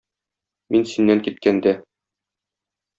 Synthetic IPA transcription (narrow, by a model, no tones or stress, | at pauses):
minsinːæŋkit̪̚kænd̪æ